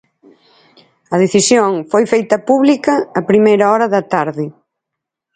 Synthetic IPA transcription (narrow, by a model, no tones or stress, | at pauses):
ɐðeθisjoŋfojfejt̪ɐpuβlikɐːpɾimejɾɐɔɾɐðɐt̪aɾðɪ